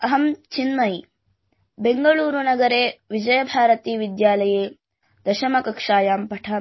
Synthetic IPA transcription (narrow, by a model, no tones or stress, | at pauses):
ɐɦɐmt͡ʃinmɐj | beŋɡɐɭuːɾunɐɡɐɾeːʋid͡ʒɐjɐbʱaːɾɐt̪iːʋid̪jaːlɐjeː | d̪̥ɐʃɐmɐkɐkʂaːjaːmpɐʈʰaː